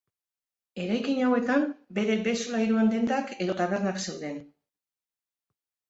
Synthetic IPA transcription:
e̞ɾajkiɲawe̞t̪ambe̞ɾe̞be̞solaiɾuand̪e̞nd̪ake̞ðo̞t̪aβe̞rnakse̞wðe̞n

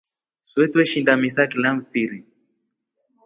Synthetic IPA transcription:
swɛtwɛʃindamisakilamfiɾi

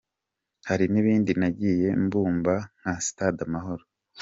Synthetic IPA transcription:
haɾiniβiːndinaɟiːje̞mbuːmban̥hasi̥tadamaɦo̞ɾo

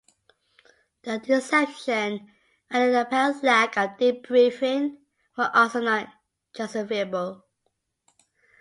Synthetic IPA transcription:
ðədɪsɛpʃə̃n | ãndəðəpʰɛslækədip̚b̥ɹifɪ̃ŋ | wəʔɔlˠsonɔt̚ | d͡ʒ̥ʌsəveəbəl

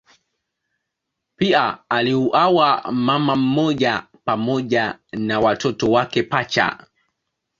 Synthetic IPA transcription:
piaːliuʔawamamam̩mɔʄa | pamɔʄanawatɔtɔwakɛpat͡ʃa̰

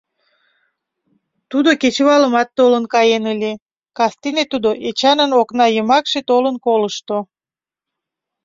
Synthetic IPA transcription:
t̪ud̪oket͡ɕəβɑləmɑt̪ːolənkɑjenəlʲe | kɑst̪enet̪ud̪oʔet͡ɕɑnənoknɑjəmɑkʃet̪olənkoləʃt̪o

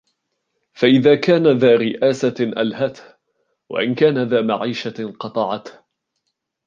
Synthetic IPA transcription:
faʔɪðaːkaːnaðaːɾɪʔaːsaʔa̰lhat̪h | wa̰ʔɪnkaːnaðaːmaʕiːʃaqɑt̪ˤɑʕɑt̪

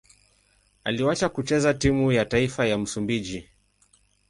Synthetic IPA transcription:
aliwat͡ʃakut͡ʃɛzatimujataifajam̩sumbiʄi

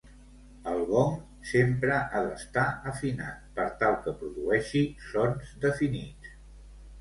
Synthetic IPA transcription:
əlˠβɔm | sempɾəʔələst̪aəfina̰t̪̚pəɾt̪alˠkəpɾuðuɛʃisonzd̪əfinit͡s

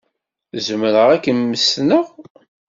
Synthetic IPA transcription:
zəmɾəʁækːənːəsnəʁ

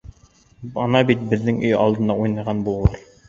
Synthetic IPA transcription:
ɑnɑbit̪̚bɪznɪŋyjɑ̰lˠd̪ɨnd̪ɑujnɑʁɑnbulˠɑɾ

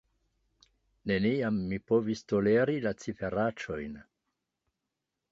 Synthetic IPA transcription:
ne̞niamːipo̞visto̞le̞ɾilat͡sife̞ɾat͡ʃo̞jn

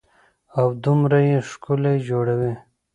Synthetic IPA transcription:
awd̪umɾajeʂkuled͡ʒoːɽawi

